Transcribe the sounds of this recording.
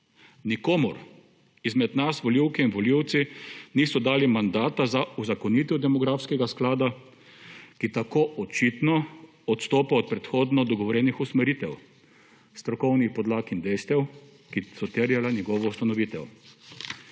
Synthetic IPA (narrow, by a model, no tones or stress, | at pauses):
nikoːmuɾ | izmɛd̪nasʋɔliwkɛinʋɔliwt̪siniːsɔd̪aːlimand̪aːt̪azauzakɔniːt̪ɔd̪ɛmɔɡɾafskɛɡasklaːd̪a | kit̪akoːʔɔt͡ʃit̪nɔ | ɔt̪st̪oːpaɔt̪̚pɾɛt̪xoːd̪nɔd̪ɔɡɔʋɔɾjɛnixusmɛɾiːt̪ɛw | st̪ɾɔkɔwnixpɔd̪laːkind̪ɛjst̪ɛw | kisɔt̪əɾjalanjɛɡɔʋɔust̪anɔʋiːt̪ɛw